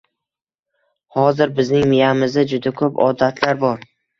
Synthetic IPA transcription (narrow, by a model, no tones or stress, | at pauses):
hɒzɪɾbɪznɪŋmɪjamɪzad͡ʒʊd̪akʰɵpɒ̰d̪at̪ʰlaɾbɒɾ